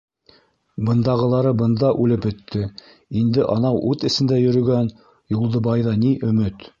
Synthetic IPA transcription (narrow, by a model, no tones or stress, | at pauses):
bɤ̆nd̪ɑʁɤ̆lˠɑɾɤbɤ̆nd̪ɑʔʉlɘpbɵ̆t̪ːɘ | ind̪ɘʔɑnɑwʔʉt̪ɘ̆sɘ̆nd̪æjɵ̆ɾɵ̆ɡæn | julˠd̪ɤbɑjðɑniʔɵ̆mɘt̪